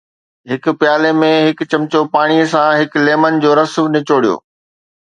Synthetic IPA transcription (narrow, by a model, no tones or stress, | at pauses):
ɦɪkʊ̆pjaːlemẽɦɪkt͡ɕɐmt͡ɕopaːɽ̃iəsãɦɪkleːmənd͡ʑoːɾɐsʋnɪt͡ɕoːɽijo̰ː